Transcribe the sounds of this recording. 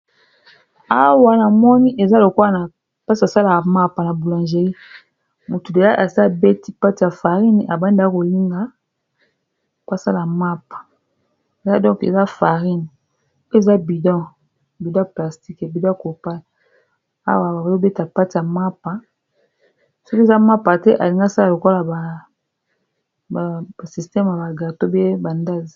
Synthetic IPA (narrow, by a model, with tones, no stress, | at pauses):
a˦wa˨na˨mɔ˦ni˦ʔe˨za˦lo˨ko˦a˦˨na˨ | pa˦si˨a˨sa˦la˨ma˦pa˨na˨bu˨la˨nʒe˨li˦ | mu˨tu˨de˨la˦ʔa˨sa˦be˦ti˦pa˦ti˨a˨fa˨ʁi˦ni˨ʔa˨ba˦n˦da˦ko˨li˦ŋɡa˦ | ka˦sa˦la˨ma˦pḁ˨ | e˨za˦dɔ̃˦kḛ˨za˦fa˨ʁi˦ni˨˦ | e˦˨za˦bi˨dɔ̃˦ | bi˨dã˦pla˨sti˦ke˨bi˨dɔ̃˦ko˨pa˦˨ | a̰˦wa˨ba˨o˦be˦ti˦a˨pa˦ti˨ja˨ma˦pa˨ | sɔ˦ki˦˨za˦ma˦pa˨tɛ˦ʔa̰˨li˨ŋɡa˦sa˦la˨lo˨ko˦la˨ba˨ | a˨ba˨si˨stɛ˦m˨a˨ba˨ɡa˨to˦be˦ba˨nda˦zi˨